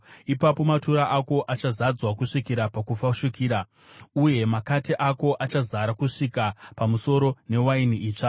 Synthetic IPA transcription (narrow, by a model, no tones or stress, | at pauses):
ipapo̞matuɾaʔako̞ʔat͡ʃazad͡zwakuʂikiɾapakufaʃukiːɾa | uje̞makatiʔako̞ʔat͡ʃazaɾakuʂikapamuso̞ɾo̞ne̞wainiiːt͡ʂa